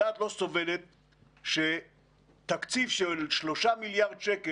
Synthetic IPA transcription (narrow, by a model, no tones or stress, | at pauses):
aːt̪lo̞so̞velet̪̚ | ʃe | tːakt͡sifʃelʃlo̞ʃamiljaʁd̪ʃeke